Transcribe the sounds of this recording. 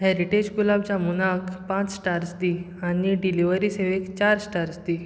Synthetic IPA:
hɛɾiʈed͡ʑkulabt͡ɕamunakpãt͡ssʈaɾsd̪i | aniɖiliʋəɾiseʋekt͡ɕaɾsʈaɾsd̪i

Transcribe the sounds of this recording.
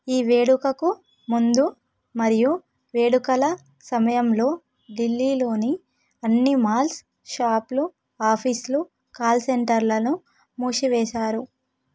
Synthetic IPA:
iːʋe̞ːɽukɐku | mund̪u | mɐɾiju | ʋe̞ːɽukɐlɐ | sɐmɐjɐmlo̞ː | ɖilːiːlo̞ːni | ɐnːimaːls | ʃaːplu | aːpʰislu | kaːlseɳʈɐɾlɐnu | muːʃiʋɛːʃaːɾu

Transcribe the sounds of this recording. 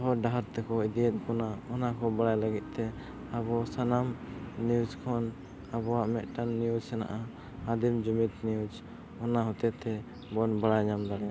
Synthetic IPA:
ɦɔɖaɦaɾt̪ɛkɔid̪iɛt̪̚ˀkɔnaɔnakɔbaɽajlaɡit̪̚t̪ɛ | abɔsanamniud͡ʒkʰɔn | abɔwaʔmɛʔ̪̚ʈanːijud͡ʒsɛna̰ʔaː | d̪imd͡ʒumit̪nijud͡ʒ | ɔnaɦɔt̪ɛt̪ɛ | bɔnbaɽajɲamd̪aɽɛ

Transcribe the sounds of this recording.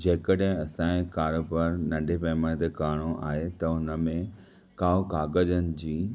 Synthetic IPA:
d͡ʑɐɦɪkəɗɦɪ̃ɐsãːẽkaːɾobəɾnɐ̃ɳɖʱepɐːmãt̪ekaːɽ̃oʔa̰ːɦet̪ɐʊnəmẽ | kaːokaːɡəd͡ʑənɪ̆d͡ʑiː

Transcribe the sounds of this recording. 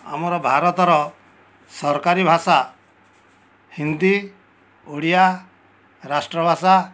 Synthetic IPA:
a̰mɔɾɔbʱaɾɔt̪ɔɾɔ | sɔɾkaɾibʱasa | hind̪i | uɽija | ɾasʈɾɔbʱasa

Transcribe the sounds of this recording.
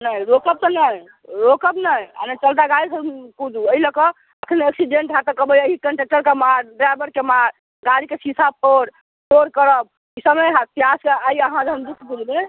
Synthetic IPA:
najɾokəb̚t̪ɔnaj | ɾokəbnaja̰net͡ʃəlt̪̬aɡaɾisəkud̪ʱuəiləkɔ | əkʰəneksiɖeɳʈɦat̪ɔkəbəjəɦikəɳʈek̚ʈəɾkemaɾɖɾajbəɾkemaɾ | ɡaɾikesisʰap̚poɽ | ʈoɾkəɾəb̚ | kisəməjɦat̪ijaskeaiəɦãd͡ʒɦəmd̪ut̪ʰːbud͡ʒb̪e

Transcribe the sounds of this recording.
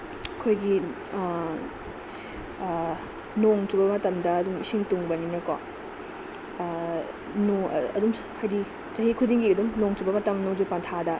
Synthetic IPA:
kʰojɡi | noŋt͡ʃubɐmɐtɐmdɐɐdumisiŋtuŋbɐninɐkwa̰ | no̰ɐ̰dum | hajdi | t͡ʃɐɦikʰudiŋɡiɐdumnoŋt͡ʃubɐmɐtɐmnoŋd͡ʒupantʰadɐ

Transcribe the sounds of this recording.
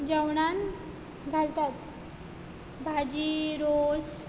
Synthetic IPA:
d͡ʑəwɳan | ɡʱalt̪at̪ | bʱad͡ʑiɾos

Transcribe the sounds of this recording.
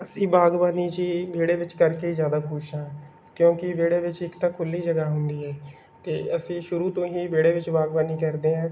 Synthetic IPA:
əsĩːbaːɡʋaːniːt͡ʃiːʋeːɽeːʋɪt͡ʃkəɾkeːizjaːd̪aːpʊt͡ʃʰãː | kjõːkɪʋeːɽeːʋɪt͡ʃɪkt̪ãːkʰʊlːiːd͡ʒəɡaːɦʊnd̪iːɦɛː | t̪eːəsĩːʃʊɾuːt̪õːɦiːʋeːɽeːʋɪt͡ʃbaːɡbaːniːkəɾd̪eːɦãː

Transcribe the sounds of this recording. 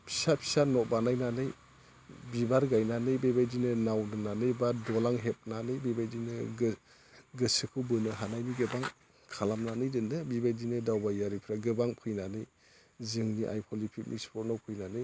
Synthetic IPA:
pʰi̥sapʰi̥sanɔbanajnanɯj | bibaɾɡajnanɯjbebajdinɯnawnɯnanɯjbadɔlaŋɦep̚nanɯjbebajdinɯ | ɡɯsɯkʰubɯnɯɦanajbiɡɯbaŋ | kʰalamnanɯjdɯndɯbibajdinɯdawbajaɾipʰɾaɡɯbaŋpʰɯjnanɯj | zɯŋniʔa̰jpʰɔlipʰit̚mḭkspʰɔt̚nawpʰɯjnanɯj

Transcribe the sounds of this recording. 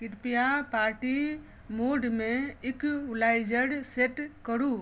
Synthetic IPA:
kɪʈpijapaɾʈi | moɖmẽɪklajd͡ʒəɽseʈkəɾu

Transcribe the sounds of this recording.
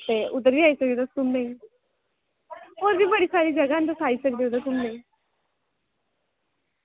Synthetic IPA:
t̪eʊd̪əɾbʱiaisəket̪əst̪ʊmnaĩ | oːɾbʱibəɽiːsaːɾiːd͡ʒɐɡant̪əsʰaːisək̚d̪eud̪ət̪ʊmnaĩ

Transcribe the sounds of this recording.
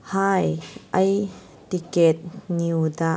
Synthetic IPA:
haːjʔɐj | t̪ikɛt̪̚niwd̪a

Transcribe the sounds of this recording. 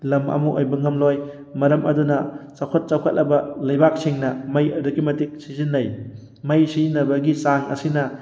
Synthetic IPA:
lɐmɐ̰muʔojbɐŋɐmloj | mɐɾɐmʔɐ̰dunɐt͡ʃɐwkʰɐt̚t͡ʃɐwkʰɐt̚lɐbɐlɐjbak̚siŋnɐmɐjɐduɡimɐtik̚sizinːɐj | mɐjsizinːɐbɐɡisaŋɐ̰sinɐ

